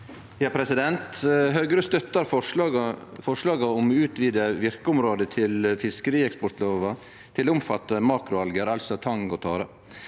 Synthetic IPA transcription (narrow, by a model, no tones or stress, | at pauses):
jɑːpʰɾɛsɪd̪ɛnt̪ɦœɡɾəst̪œt̪ːɑɾfɔ | fɔʂlɑːɡɑɔmʉːt̪ʰʋiːd̪əʋɪɾkəʊmɾoːd̪ət̪ʰɪlfɪskəɾiːɛkspɔʈ̪loːʋɑ | t̪ʰɪlːʊmfɑ̰t̪ːəmɑːkɾʊɑlɡəɾɑlsɔt̪ʰɑŋɡɔt̪ʰɑːɾə